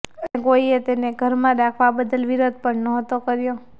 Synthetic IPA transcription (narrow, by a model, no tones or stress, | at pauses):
ənekoiet̪eneɡʱəɾmãɾakʰʋabəd̪əlʋiɾod̪̚pəɳnɔɦət̪okəɾjo